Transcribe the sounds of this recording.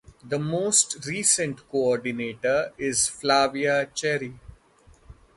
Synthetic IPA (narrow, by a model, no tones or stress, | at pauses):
d̪əmoːsʈɾiːsə̃ɳʈkoɔːɾɖɪneːʈəɾɪzflaːʋiat͡ʃɛːɾi